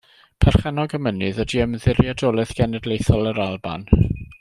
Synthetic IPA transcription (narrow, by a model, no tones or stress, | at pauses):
pʰɛr̥χɛnɔɡəmənɨðwədiəmðɪɾjadɔlˠɪθɡ̥ɛnɛdlejθɔlˠəɾalˠba̰n